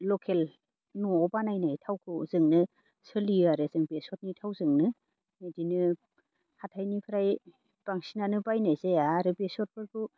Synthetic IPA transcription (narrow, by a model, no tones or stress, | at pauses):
lɔkʰel | nɔːbanajnajtʰawkʰɯzɯŋnɯ | sɯliɯaɾezɯŋbesɔt̚nitʰawzɯŋnɯ | nedinɯ | hatʰajnipʰɯɾaj | b̥aŋsinanɯbajnajzeaːɾɯbesɔt̚pʰɯɾkʰu